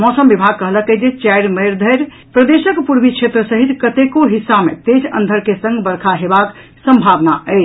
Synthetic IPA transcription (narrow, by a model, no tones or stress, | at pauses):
mɔsəmbibʱaɡ̚kəɦləkəd͡ʒet͡ʃajɾməɾd̪ʱəjɾ | pɾəd̪esəkpuɾbit͡ʃʰet̪ɾəsəɦit̪kət̪ekoɦisːamḛt̪ed͡ʒʰə̰̃nd̪ʱəɾkesə̃ŋɡbəɾkʰaɦebak | səmbʱabnaəɪt͡ʃʰ